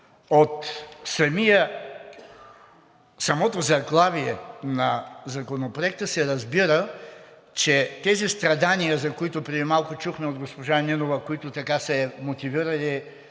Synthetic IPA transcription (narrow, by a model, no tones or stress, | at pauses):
ot̪sɐmijə | sɐmɔt̪ozɐɡlˠaviɛnɐzɐkonopɾoɛk̚t̪əsɛɾɐzbiɾə | t͡ʃɛt̪ɛzist̪ɾɐd̪anijəzɐkoit̪ʊpɾɛd̪imalˠkʊt͡ʃuxmɛod̪ɡospoʒaninovɐkoit̪ʊt̪ɐkasɛmot̪iviɾɐli